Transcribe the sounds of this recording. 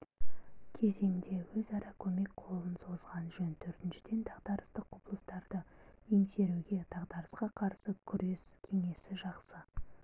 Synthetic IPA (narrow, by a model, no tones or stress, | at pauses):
kʲʰe̞ze̞ŋd̪e̞wɵzɑɾɑkʲʰɵme̞k̚qʰo̞lˠənso̞zʁɑnʒɵnt̪ʰɵɾt̪ɪnʃɪ̥d̪e̞nd̪ʰɑʁd̪ɑɾəst̪əqʰːopəlˠəst̪ɑɾd̪əense̞ɾuɡʲe̞d̪̥ɑʁd̪ɑɾəsqɑqʰɑɾsəkʲʰʏɾe̞skʲʰe̞ŋe̞sɪʒɑqsə